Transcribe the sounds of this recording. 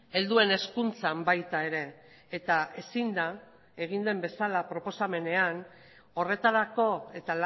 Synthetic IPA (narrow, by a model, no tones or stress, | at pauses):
e̞ld̪ue̞ne̞skunt͡sambajt̪ae̞ɾe̞ː | t̪ae̞sind̪a | e̞ɣ̞ind̪e̞mbe̞salapɾo̞po̞same̞ne̞an | o̞re̞t̪aɾako̞e̞t̪ala